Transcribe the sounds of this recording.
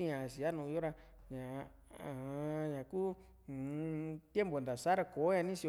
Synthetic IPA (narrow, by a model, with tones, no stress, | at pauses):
i˦ɲã˨si˨a˦nũː˧o˦ɾa˧ɲã˨˧˨ | hã˧ɲã˨kuː˦˨˧ | t̪je˦mbo˨nd̪a˨sa˦ɾa˧ko˨˦ɲã˧nĩ˦si˧